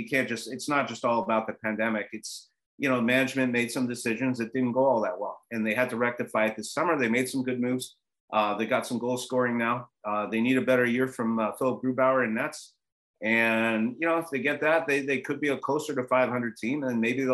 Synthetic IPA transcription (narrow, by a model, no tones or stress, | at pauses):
ɨkʰæ̃nd̥ʒ̥ʌstɨtsnət̚d̥ʒ̥ʌstɔlˠəbaʊt̪̚ðɨpʰæ̃ndɛmɨkɨts | jɨñoʊmænɨd͡ʒmɨ̃nmeɪd̥sʌ̃mdɨsɪʒɨ̃nzðɨt̚d̥ɪdⁿn̩ɡ̥oʊɔlˠðət̚waɪlˠɨ̃nðeɪɨd̚tʰɨɹɛk̚tɨfaɪɨt̪̚ðɪsʌmə˞ðeɪmeɪd̥sʌ̃mɡʊd̚mʉvz̥ | ʔʌðeɪɡɑtsʌ̃mɡoʊlˠskɔɹɪ̃ŋnaʊʌðeɪniɾɨbɛɾə˞jɪɹfɹʌ̃mfɪlˠəp̚ɡ̥ɹʉbaʊə˞ɨ̃nːɛts | ɨ̃njɨñoʊəfðeɪɡɛt̪̚ðɨt̪̚ðeɪðeɪkʰɨd̚biɨkʰl̥oʊsə˞ɾɨfaɪv̥hʌ̃ndɹɨd̚tʰĩm̃nmeɪbi